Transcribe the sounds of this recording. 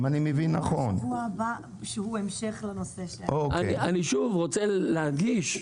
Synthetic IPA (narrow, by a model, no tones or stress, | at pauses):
manimevinːaχonhuaba | ʃehuemʃeχlanoseʃloaeiʔaniʃuvʁot͡selehaɡiʃ